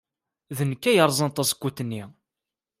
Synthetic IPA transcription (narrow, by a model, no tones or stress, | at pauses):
ðənːəkːæjəɾˤzˤɑnt̪ˤːɑsə̥kʷːut̪ːənːi